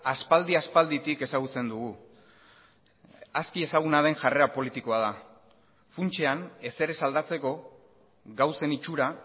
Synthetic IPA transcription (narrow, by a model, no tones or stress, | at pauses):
aspald̪iaspald̪it̪ike̞saɣ̞ut͡se̞nd̪uɣu | askie̞saɣ̞unaðe̞ŋʝare̞apo̞lit̪iko̞aða | funt͡ʃe̞ane̞se̞ɾe̞sald̪at͡se̞ko̞ | ɣawse̞nit͡ʃuɾa